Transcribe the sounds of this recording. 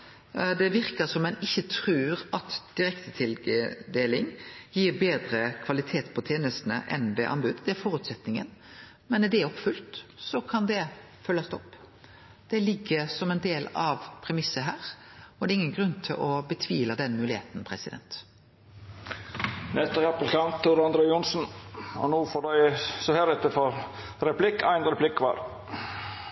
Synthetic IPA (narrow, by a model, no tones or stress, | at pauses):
d̪ɛʋɪɾkəsɔmːɛnɪçːət̪ʰɾʉːɾɑt̪d̪̥ɪɾɛkt̪ət̪ʰɪld̪eːlɪŋjiːɾbeːd̪ɾəkʰʋɑlɪt̪ʰeːt̪pʰɔt̪ʰjeːnəst̪nə̰ʔɛnd̪ɛʔɑ̰nbʉd̪d̪ɛæɾfɔːʁʉːt̪sɛt̪nɪŋə̰n | mɛnɛd̪ɛæɔpfʉlt̪sɔkʰɑnd̪ɛ | fœlːɑst̪ʰɔpː | d̪̥ɛlɪɡːəsɔmɛnd̪eːlɑʋpʰɾɛmɪsːəɦæːʁɔd̪æːɪŋːənɡɾʉnːt̪ʰɪlʔɔbət̪ʰʋiːləd̪ɛnmʉːlɪhḛːt̪npʰɾɛsɪd̪ɛ̰nt̪ | nɛt̪əɾæpːəl̩kɑmpt̪ʰuːɾɑnd̪ɾɛɪʊnsn̩ɔ̰nuːfɔːɖæɪsɔhæɾɛt̪ːəfɔɾɾɛpʰlɪkːæɪnɾɛpʰlɪkːʋɑ̰ːɾ